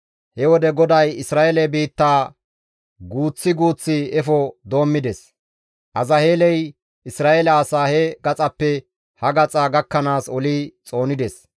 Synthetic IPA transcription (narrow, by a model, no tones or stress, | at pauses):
hɛwɔd̪ɛɡɔd̪ɐjɪsɾaːʔɛlɛbiːt̪ːaː | ɡuːt͡sːɪɡuːt͡sːɪɛfɔd̪o̞ːmːɪd̪ɛs | ʔɐzɐheːlɛj | ɪsɾaːʔelɐːsaːhɛɡɐt͡sʼɐpːɛ | hɐɡɐt͡sʼaːɡɐkːɐnaːsɔliːt͡sʼo̞ːnɪd̪ɛs